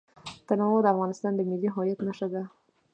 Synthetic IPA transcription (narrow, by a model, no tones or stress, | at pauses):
t̪anɑwod̪əafɣɑnɪst̪ɑnd̪əmɪlːiɦɑjat̪naʃad̪a